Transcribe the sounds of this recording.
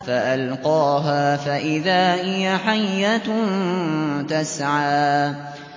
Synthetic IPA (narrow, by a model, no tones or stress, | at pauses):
faʔalqɑːɦaːfaʔɪðaːhɪjaħajːant̪asʕaː